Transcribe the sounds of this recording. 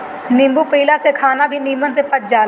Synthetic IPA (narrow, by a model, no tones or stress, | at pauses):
nɪ̃mbupiːlasekʰaːnabʱiniːmənsepɐt̪̚d͡ʒaːl